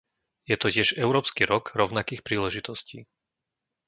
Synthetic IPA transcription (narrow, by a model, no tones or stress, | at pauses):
jɛt̪ɔcɪɛʒɛʊɾɔːpskiɾɔɡɾɔʊnakiːxpɾiːlɛʒit̪ɔscḭː